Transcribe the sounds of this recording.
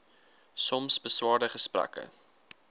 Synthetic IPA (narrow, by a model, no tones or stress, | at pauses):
sɔmsbəswɑːɾdəχəspræ̰kə̰